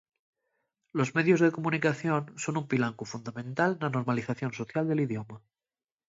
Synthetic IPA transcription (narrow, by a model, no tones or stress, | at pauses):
lo̞zme̞ðjo̞zðe̞komunikaθjo̞nso̞numpilaŋkufund̪amẽnt̪alnano̞ɾmaliθaθjo̞nso̞θjald̪e̞liðjo̞ma